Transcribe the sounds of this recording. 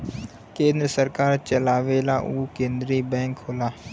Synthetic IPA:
kẽːnd̪ɾəsəɾkaːɾt͡ʃəlaːʋeːlaʔuːkẽːnd̪ɾibɛ̃ːŋkɦoːlaː

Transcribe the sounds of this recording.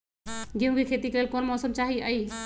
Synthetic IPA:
ɡeʊ̃ɡikʰet̪ikelelkɔnmɔsɔmt͡ʃaɦiəj

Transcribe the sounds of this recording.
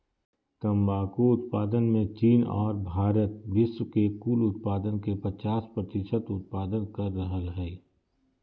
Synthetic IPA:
t̪ə̃mbaːkuʊt̪paːd̪ənmẽt͡ʃiːnɔ̰ːɾbʱaːɾət̪̚ʋɪswkekuːlʊt̪̚paːd̪ənkepɐt͡ʃaːspɾət̪ɪʃət̪ʊt̪̚paːd̪ənkəɾːəɦəlɦɛː

